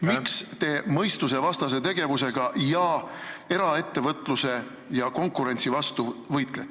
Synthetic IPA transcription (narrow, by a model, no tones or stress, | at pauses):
mikst̪e̞ːmɤjst̪use̞vɑst̪ɑs̬e̞t̪e̞ɡ̥e̞vuse̞ɡ̥ɑjɑe̞ɾɑe̞t̪ːe̞vɤt̪ːˑluse̞ | jɑko̞ŋkːˑuɾe̞nt̪sivɑst̪uvɤjt̪ˑlet̪ːˑ